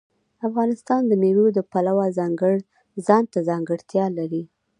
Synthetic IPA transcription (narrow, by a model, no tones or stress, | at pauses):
afɣɑnɪst̪ɑnd̪əmewod̪əpalawazɑŋɡəɽ | zɑnt̪azɑŋɡəɽt̪jɑlaɾi